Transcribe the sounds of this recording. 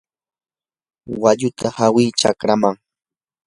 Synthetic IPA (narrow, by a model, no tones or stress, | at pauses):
waʎʊt̪ahawiːt͡ʃa̰kɾamaŋ